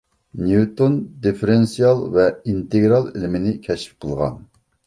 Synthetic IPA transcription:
niut̪ond̪efeɾensijɑlˠvɛint̪eɡɾɑlˠilɪmɪnɪkʲʰɛʃf̚qʰəlˠʁɑ̰n

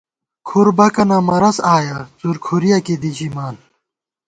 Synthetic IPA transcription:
kʰuɾbɐkɐnɐmɐɾɐsaːjɐt͡suɾkʰuɾijakid̪it͡ɕimaːn

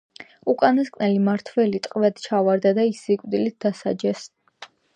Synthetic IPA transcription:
ukʼanaskʼnɛlimaɾt̪ʰvɛlit̪ʼqʼvɛd̪t͡ʃʰavaɾd̪ad̪aisikʼd̪ilit̪̚d̪asad͡ʒɛs

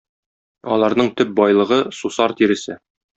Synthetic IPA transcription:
ɒ̰lˠɑɾnɤɴt̪ɵp̚bɒjlˠɤ̆ʁɤsusɑɾt̪iɾɘ̆sɘ

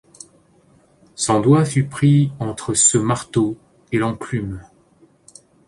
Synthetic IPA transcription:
sɑ̃d̪wafypχiɑ̃t̪χəsəmaʁt̪o | elɑ̃klym

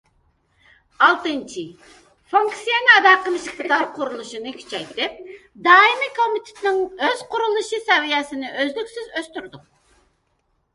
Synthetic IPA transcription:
ɑlˠt̪ɨnt͡ʃʰi | fuŋksijɛnɨɑd̪ɑːqəmɨʃɪχt̪ʰɨt̪ʰɑɾqʰʊɾulˠuʃɨnɨkʲʰy̥t͡ʃʰɛjt̪ɪp̚ | d̪ɑːimikʰomit̪ʰɪ̥t̪nɪŋøz̥qʰʊɾulˠɨʃɨsɛvijɛsɪnɪøzlykʲsyzøst̪yɾd̪ʊq̚

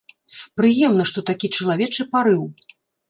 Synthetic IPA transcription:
pɾɨjɛmnɐʂt̪ɔt̪akʲit͡ʂɐlˠavʲɛt͡ʂɨpaɾɨw

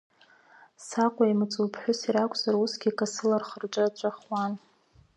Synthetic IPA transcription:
saqʷʼaimɨt͡sʼupʰħʷᶣʊsiɾakʷʼʰz̥arusɡʲikʼasɨlarχərt͡ʃʷʼaat͡ʃʷʼaχwan

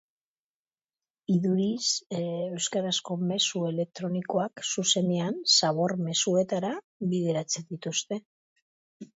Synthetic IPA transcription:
iðuɾise̞wskaɾasko̞me̞sue̞le̞k̚t̪ɾo̞niko̞aksuse̞neansaβo̞ɾme̞sue̞t̪aɾa | βiðe̞ɾat͡se̞nd̪it̪ust̪e̞

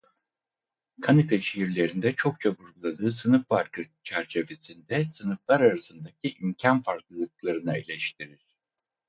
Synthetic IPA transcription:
kʰanɯkʰaʃeɦiɾlʲe̞ɾind̪ɛt͡ʃʰo̞k̚t͡ʃʰabuɾɡulˠad̪ɯːsɯnɯfːaɾkʰɯt͡ʃʰæɾt͡ʃʰe̞ve̞sind̪ɛsɯnɯflˠaɾaɾasɯnd̪acʰiʔimcʰanfaɾklˠɯlˠɯk̚lˠaɾɯnɯilʲɛʃt̪ʰiɾiɾ̥

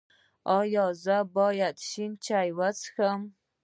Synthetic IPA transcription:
ɒjɒzabɔːjad̪ʃint͡ʃʰajwat͡sʰxam

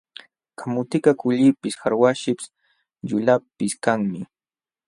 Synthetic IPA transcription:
kʰamʊt̪ɪkakʊʎɪpɪsxaɾwaʃɪp | ʎʊlapɪskaŋmɪ

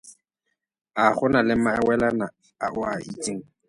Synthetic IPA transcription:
aχʊnalɪmaɛwɛlana | aʔʊaʔit͡sʼiŋ̩

